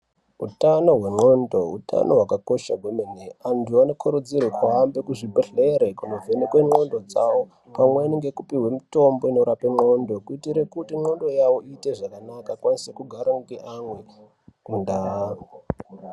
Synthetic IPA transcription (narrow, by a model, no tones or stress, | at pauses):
ṵtano̞ɦwe̞ŋ͡ǃo̞ndo̞uta̰no̞ɦwakako̞ʃaɡʱomeneantʰuano̞kʰuɾud͡zirwekwaːmbekuʐibʱeɬeɾekunovʱenekweŋ͡ǃo̞ndo̞d͡zawo̞ | pamweniŋɡe̞kupiɦwe̞mitombo̞ino̞ɾapeŋ͡ǃo̞ndo̞kuitiɾe̞kutiŋ͡ǃo̞ndo̞jaʋo̞ʔiːte̞ʐakanakakwanisekuɡʱaɾaŋɡeʔamwe̞ | nda